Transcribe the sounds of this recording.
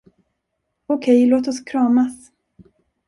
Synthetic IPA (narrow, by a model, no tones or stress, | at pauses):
ɔkʰɛjloːt̪ɔskʰɾɑːmas